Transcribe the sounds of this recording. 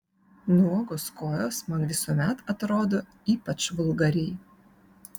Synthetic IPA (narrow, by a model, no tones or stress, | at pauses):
nuɔɡoskoːjoːsmɐnʋʲɪsuɔmʲɛt̪ɐt̪ɾoːd̪oː | iːpɐt͡ʃʋʊlˠɡɐɾʲɪːj